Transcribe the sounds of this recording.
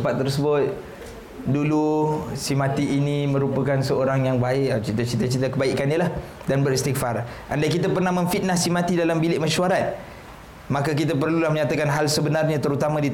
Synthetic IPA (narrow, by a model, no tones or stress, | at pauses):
pat̪̚ːərsəbʊt̪̚ | dulusimat̪iʔːnĩmə̃ɾupakansəoɾaŋjaŋbaɪʔt͡ʃit̪at͡ʃit̪at͡ʃit̪akəbaiʔkanjalah | danbəɾɛst̪ikfar | ʔa̰ndaʔkit̪apərnahmə̃ɱfit̪̚nahsimat̪idalambilɪʔmaʃuaɾat̪̚ | makak̬it̪ap̬ərlulahməɲat̪akanɦalsəbənarɲãt̪əɾut̪amãdit̪